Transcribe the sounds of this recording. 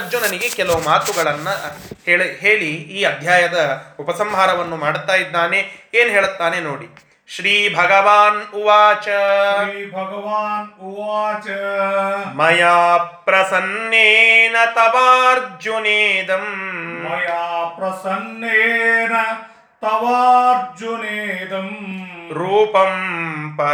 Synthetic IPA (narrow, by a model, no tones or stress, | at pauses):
d͡ʒunɐniɡekɛlɐʋumaːt̪uɡɐɭɐnːɐheːɭɦeːɭiːɐd̪ʱjaːjɐd̪ɐupɐsɐmɦaːɾɐʋɐnːumaːɽt̪ːaːjid̪ːaːneeːnɦeːɭut̪ːaːnenoːɽi | ʃɾiːbʱɐɡɐʋaːnuʋaːt͡ʃɐiːbʱɐɡɐʋaːnuʋaːt͡ʃɐ | mɐjaːpɾɐsɐnːeːnɐt̪ɐʋaːɾd͡ʒjoneːd̪ɐmmɐjaːpɾɐsɐnːeːnɐ | t̪ɐʋaːɾd͡ʒuneːd̪ɐmɾuːpɐmpɐ